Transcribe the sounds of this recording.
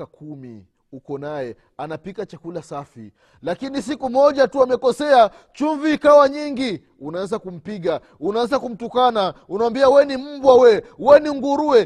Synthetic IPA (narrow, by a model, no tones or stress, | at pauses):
akumḭ | ukɔnajɛ | anapikat͡ʃakulasafḭ | lakinis̬ikumɔʄatuamɛkɔsɛa | t͡ʃuɱviːkawaɲiŋɡi | unaanzakum̩piɠa | unaanzakum̩tukanaunawambiawɛnim̩bwawɛwɛniŋɡuɾuwɛ